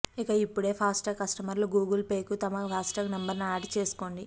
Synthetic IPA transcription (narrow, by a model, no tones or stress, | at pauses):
ikɐipːuɽe̞ːpʰaːsʈɐkɐsʈɐmɐɾluɡuːɡɐlpe̞ːkut̪ɐmɐpʰaːsʈɐɡnɐmbɐɾnaːʈt͡ʃe̞ːsu̥koːɳɖi